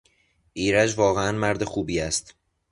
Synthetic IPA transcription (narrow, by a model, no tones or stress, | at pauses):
ʔiːɾæd͡ʒvɒːɣeænmæɾd̪e̞xuːbiːæst̪